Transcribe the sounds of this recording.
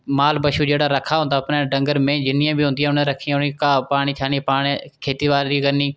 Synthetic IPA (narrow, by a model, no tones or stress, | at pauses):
maːlbəʃuːd͡ʒeːɽaːɾəkʰaːɦʊ̃nd̪aːəpnãːɖə̃ŋɡəɾmẽːd͡ʒɪnijãːbʱiːɦʊ̃nd̪ɪjãːʊnẽːɾəkʰːiːjãːʊnikaːpaːɽ̃iːt̪ʰaːnipaːnekʰeːt̪iːʋaːliːkəniː